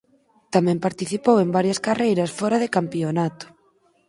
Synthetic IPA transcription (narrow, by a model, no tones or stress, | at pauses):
t̪amɛ̃mpaɾt̪iθipowembaɾjɐskarejɾɐsfɔɾɐðɪkampionat̪ʊ̥